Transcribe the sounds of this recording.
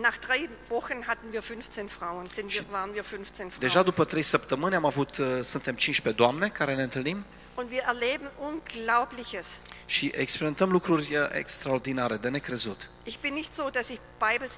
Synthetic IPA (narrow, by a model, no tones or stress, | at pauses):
naχd̥ʁaɪ | vɔxənɦatn̩viːɐfʏnft͡senfʁ̥aʊənz̥ɪnʃiːɐvaːʁənviːɐfʏnft͡seːnfʁ̥d̪eʒad̪upət̪ɾejsəpt̪əmɨnʲamavut̪sunt̪e̞mt͡ʃint͡ʃped̪oamne̞kaɾe̞ne̞ɨnt̪ɨlnim | ʊntviːɐʔɛɐleːbn̩ʔunɡlaʊplɪçəsʃiʔekspeɾime̞nt̪əmlukɾurʲʔḛkst̪ɾaord̪inaɾe̞d̪e̞ne̞kɾe̞zut̪ʔɪçb̥ɪnːɪçtz̥oːdasɪçb̥aɪbəs